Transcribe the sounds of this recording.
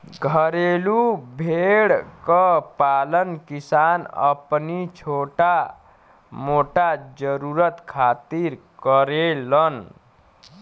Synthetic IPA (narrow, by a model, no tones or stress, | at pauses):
ɡʱəɾelubʱeɽkəpalənkisanə̰pnit͡ʃʰoʈa | moʈad͡ʒəɾuɾət̪kʰat̪iɾkəɾelən